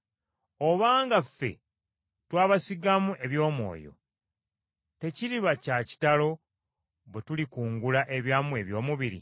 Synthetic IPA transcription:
oβaːŋɡafːe̞̰ | twaːβasiɡamuʔe̞βjo̞ːmwo̞̰ːjo̞̰ | te̞ciɾiβacaci̥talo̞ | βwetulikuːŋɡulaʔe̞βjaːmue̞βjo̞ːmuβiɾḭ

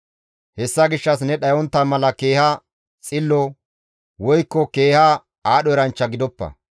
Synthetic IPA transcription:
hɛsːɐɡɪʃːɐs̬nɛɗɐjɔnt̪ːamɐlɐkeːhɐ | t͡sʼɪlːɔ | wɔjkːɔke̞ːhɐ | aːɗɔɛɾɐnt͡ʃːɐɡɪd̪ɔpːɐ̰

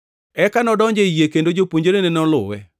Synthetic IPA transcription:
ɛkanɔdɔɲd͡ʒeijekendod͡ʒopwoɲd͡ʒoɾenenɔlʊ̰wɛ̰

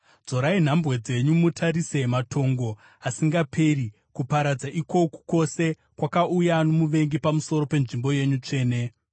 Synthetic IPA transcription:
d͡zo̞ɾain̤ambwe̞d͡ze̞ɲumutʰaɾise̞matʰo̞ŋɡo̞ | asiŋɡapʰe̞ri | kupaɾad͡zaʔiko̞ku̥ko̞se̞ | kwakaujanomuʋe̞ŋɡipamuso̞ɾo̞pe̞nʐimbo̞je̞ɲut͡ʂe̞ːne̞

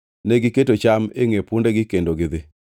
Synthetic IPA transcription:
nɛɡɪketot͡ʃamḛŋepundeɡɪkendoɡɪd̪ɪ

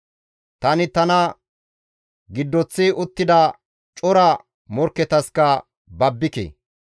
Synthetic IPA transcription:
t̪ɐnɪt̪ɐnɐ | ɡɪd̪ːɔt͡sːɪʔʊt̪ːɪd̪ɐ | t͡ʃʼɔɾɐ | mɔɾkːɛt̪ɐskɐ | bɐbːɪkḛː

